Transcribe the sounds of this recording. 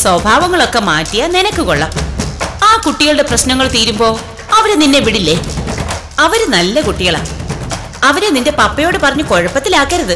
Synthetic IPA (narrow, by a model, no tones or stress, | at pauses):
swɐbʱaːʋɐŋːɐɭo̞kːe̞maːtːijɐnenɐkːɨko̞ɭːɐmaːkuʈːiɣɐɭɨɽe̞prɐɕnɐŋːɐɭt̪iːɾumbo̞ː | ɐʋɐɾeninːe̞ʋiɽilːe | ɐʋɐɾunɐlːɐkuʈːiɣɐɭa̰ː | ɐʋɐɾeninde̞pɐpːɐjo̞ːɽɨpɐrɐɲːuko̞ɻɐpːɐt̪ːilaːkːɐɾɐðɨ